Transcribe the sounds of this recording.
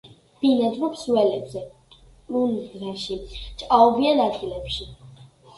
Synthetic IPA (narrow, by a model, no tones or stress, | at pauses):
b̥inad̪ɾupʰsuwɛlɛbzɛ | unɾaʃit͡ʃʼqʼaɔbianad̪ɡilɛpʃi